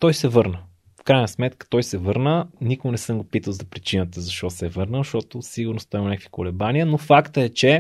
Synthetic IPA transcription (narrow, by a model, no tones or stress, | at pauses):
t̪ɔjsɛvɤɾnə | fkɾajnəsmɛt̪kə̥t̪ɔjsɛvɤɾnənikoɡnɛsəmɡopit̪əlˠzɐpɾit͡ʃinət̪ɐzɐʃt̪ɔsɛvɤɾnəʃt̪ɔt̪osiɡʊɾnost̪ɔɛimonʲakvi̥kolɛbanijənofakt̪əɛt͡ʃɛ